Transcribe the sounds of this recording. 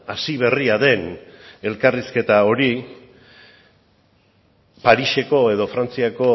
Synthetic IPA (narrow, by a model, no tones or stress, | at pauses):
asiβ̞e̞riaðe̞ne̞lkariske̞t̪ao̞ɾi | paɾiʃe̞ko̞e̞ðo̞fɾant͡siako̞